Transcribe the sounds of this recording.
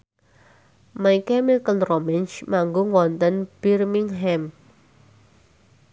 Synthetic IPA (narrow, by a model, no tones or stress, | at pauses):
majkɛmɪlkənrɔmɪnt͡ʃmaŋɡoŋwɔnt̪ənb̥irmɪŋɦɛm